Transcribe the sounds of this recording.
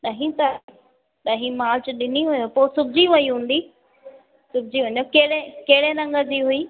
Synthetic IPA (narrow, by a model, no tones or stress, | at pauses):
ɗɐɦĩt̪a | ɗɐɦĩmaːlt͡ɕɗɪniɦʊjopoːsʊbʱɪd͡ʑiʋɐiɦũːn̆d̪iː | sʊbɪd͡ʑiʋɐɲokeɦɪɽekeɦɪɽenɐ̃ŋɡəd͡ʑiɦʊiː